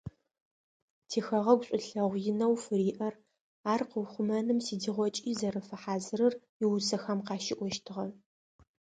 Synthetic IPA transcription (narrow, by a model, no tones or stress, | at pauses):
tʰeːxɐʁɐɡʷɕʼʊɬɐʁʷjɪnɐwfɨɾiːʔɐr | aːrqəwχʷʊmɐnɨmsiːdiʁʷɔt͡ʃʼiːzɐrɨfɐħaːzɨɾɨrjɪwʊsɐxɐmqɑːʃɪʔʷɔʃtʰɨʁɐ